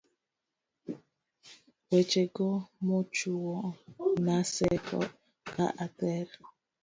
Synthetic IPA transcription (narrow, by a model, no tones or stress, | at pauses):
wet͡ʃeɡɔmot͡ʃuwɔnasɛkɔ̰ | ka̰ʔatɛɾ